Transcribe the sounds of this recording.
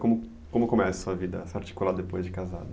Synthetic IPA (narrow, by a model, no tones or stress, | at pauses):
kõmʊ | kõmʊkomɛsɐ̥suɐvid̪ɐsaɾt͡ʃi̥kulad̪epojzd͡ʒɪkaza̰d̪ʊ